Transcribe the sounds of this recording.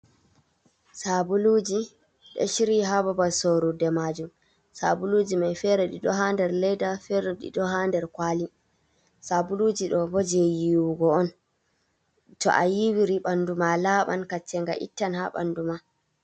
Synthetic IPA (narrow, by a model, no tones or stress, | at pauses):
sabulud͡ʒi | ɗɔ̰ʃiɾiɦababasoɾudɛmad͡ʒum | sabulud͡ʒimajfɛɾɛɗiɗɔɦandɛɾlɛjdafɛɾɛɗḭɗɔɦandɛɾkwaːli | sabulud͡ʒiɗɔbod͡ʒɛjiwuɡɔɔn | tɔ̰ʔa̰jiwiɾiɓandumalaɓa̰nkat͡ʃːɛŋɡaʔḭtːanhaɓa̰nduma